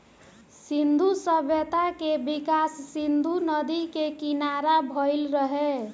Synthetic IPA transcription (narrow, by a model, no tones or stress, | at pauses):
sind̪ʱusəbʱjət̪akebikasːind̪ʱunəd̪ikekinaɾabʱəɪlɾəɦe